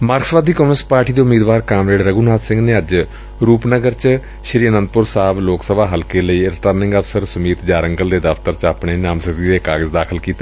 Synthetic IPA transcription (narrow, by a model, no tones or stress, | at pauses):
maːɾksʋaːd̪ʱiːkoːmspaːɾʈiːd̪eːʊmiːd̪ʋaːɾkaːmɾeːɖɾəɡuːnaːt̪sɪ̃ŋɡneːəd͡ʒ | ɾuːpnəɡəɾt͡ʃ | ʃɾiːənə̃nd̪̚pʊɾsaːbloːksəbaːɦəlkeːləiːɪɾʈəɾnɪ̃ŋɡəʋsəɾsʊmiːt̪d͡ʒaːɾəŋɡəld̪eːd̪əft̪əɾt͡ʃaːpɳeːnãːmsət̪iːd̪eːkaːɡəzd̪aːkʰəlkiːt̪e